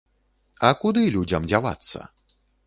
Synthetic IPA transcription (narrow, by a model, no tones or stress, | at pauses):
ɐkud̪ɨlʲud͡zʲɐmd͡zʲava̰t̪sːɐ̰